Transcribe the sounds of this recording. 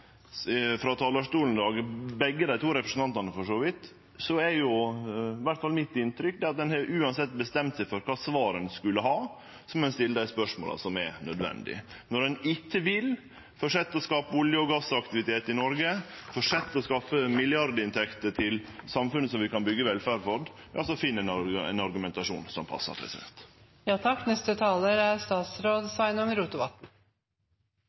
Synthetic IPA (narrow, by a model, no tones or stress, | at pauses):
fɾɑt̪ʰɑːlɑʂʈuːln̩d̪ɑːɡbɛɡːəd̪æɪt̪ʰuːɾɛpɾəsn̩ɑnt̪ɑnəfɔʂoːʋɪt̪ | sɔɛɾjʊ | ʋæʈfɑlmɪt̪ːɪnt̪ɾʏk̚ːd̪ɛɑt̪̚d̪ɛnhɑʔʉːɑnsɛt̪ːbəst̪ɛmt̪sɛɪfɔɾkʰɑːsʋɑːɾənskʉlːəɦɑː | sɔmɛnst̪ɪlːəd̪æɪspœʂmo̰ːlɑ̰sɔmɛ̰nœd̪ʋɛ̰nd̪ɪ̰ | nɔɖɛnɪkːəʋɪl | fɔʂɛt̪ːəɔskɑːpəʊljəɔɡɑsəɑkt̪ɪʋɪt̪ʰeːt̪ɪnɔɾɡəfɔʂɛt̪ːɔskɑfəmɪljɑɾd̪əɪnt̪ʰɛkt̪ət̪ʰɪlsɑmfʉnːəsɔmʋɪkɑnbʏɡːəʋɛlfæːɾfɔd̪ | ɑ̰lsɔfɪnːəɛnɛ̰nɑɾɡʉmɛnt̪ɑʂṵːnsɔmpʰɑ̰sːə̰ɾpʰɾɛ̰sɪd̪ɛ̰nt̪ | jɑːt̪ʰɑkːnɛst̪ət̪ʰɑːləɾæɾst̪ɑːt̪sɾoːd̪sʋɑɪnʊŋɾuːt̪ʊʋɑt̪n̩